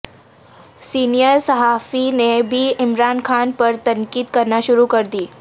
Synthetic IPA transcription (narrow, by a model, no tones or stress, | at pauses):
siːnijəɾsəɦaːfinebʱiɪmɾaːnkʰaːnpəɾt̪ɐŋkiːd̪kəɾnaʃʊɾukəɾd̪iː